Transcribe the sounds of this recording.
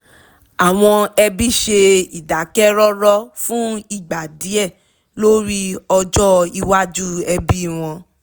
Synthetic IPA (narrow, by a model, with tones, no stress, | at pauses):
a˨w̃ɔ̃˧ɛ˧bi˦ʃe˧i˨da˨˦kɛ˦ɾɔ˦ɾɔ˦fũ˦i˦˨ɡ͡ba˨di˨˦ɛ˦˨ | lo˦ɾi˦ɔ˧d͡ʒɔ˦i˧wa˦d͡ʒu˦ɛ˧bi˦˨w̃ɔ̃˧